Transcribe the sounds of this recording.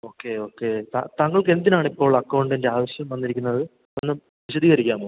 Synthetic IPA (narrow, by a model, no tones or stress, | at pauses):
o̞ːkːe̞o̞ːkːe̞t̪a̰t̪ɐŋːɐɭke̞nd̪inaːɳipːo̞ːɭːɐkːɐwɳɖendeaːʋɐɕjɐmʋɐnːiɾikʲːunːɐðɨ | onːɨ | ʋiɕɐd̪ʱiːɣɐɾikʲːaːmo